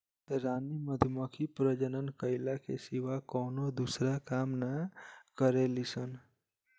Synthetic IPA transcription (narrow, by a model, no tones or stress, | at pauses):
ɾaniməd̪ʱməkʰipɾəd͡ʒənənkəɪlakʰḛsiʋakɔːnod̪usɾakamnakəɾelisən